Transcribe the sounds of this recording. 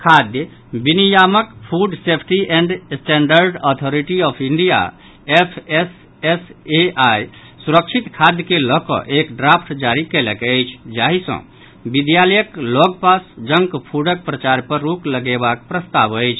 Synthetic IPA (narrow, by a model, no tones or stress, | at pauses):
kʰad̪j | binijaməkpʰuɖsepʰʈiʔɛɳɖsʈɛɳɖəɾɖɔt̪ʰoɾiʈiɔpʰiɳɖija̰ | epʰes | eseʔaj | suɾəkt͡ʃʰit̪kʰad̪jəkelɔkɔ̰ʔekɖɾapʰʈd͡ʒaɾikeləkəjt͡ʃʰd͡ʒaɦisə̰̃ | bid̪jaləjəklɔɡ̚pasd͡ʒəŋkpʰuɖək̚pɾət͡ʃaɾpəɾːukləɡebakpɾəst̪aʋəɪt͡ʃʰ